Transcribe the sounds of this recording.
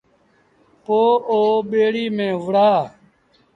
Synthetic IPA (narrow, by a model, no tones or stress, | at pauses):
poːoːɓeːɽiːmẽːʋʊɽaː